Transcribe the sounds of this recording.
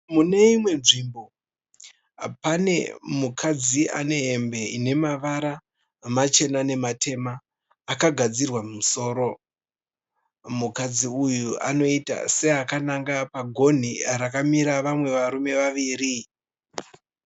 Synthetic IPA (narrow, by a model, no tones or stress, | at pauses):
mune̞imwe̞nʐiːmbo̞ | pane̞mukʰad͡zia̰ne̞ɦe̞mbe̞ine̞maʋaɾa | mat͡ʃe̞nane̞matʰe̞maː | kaɡʱad͡zirwamumuso̞ːɾo | mukad͡ziujuʔa̰no̞ita̰se̞akanaŋɡapaɡʱo̞n̤iɾakamiɾaʋamwe̞ʋaɾume̞ʋaʋiːri